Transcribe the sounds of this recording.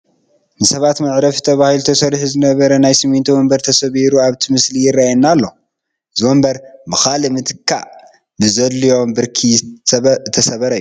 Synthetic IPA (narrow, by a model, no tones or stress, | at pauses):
nɨsɐβat̪mɐʕɾɐft̪ʰɐβahilut̪ʰɐsɐɾħuzɨnɐβɐɾɐnajsɨmint̪ʰiwɔmbɐɾt̪ʰɐsɐβiɾuaβt̪ʰimɨslijɪrːajnːalːo̞ | ɨzwombɐɾbɨxalimɨt̪ʰɨkʰːa̰ʔ | bɨzɐlːijo̞mbɨɾkʰi | t̪ʰɐsɐβɐɾɐjːu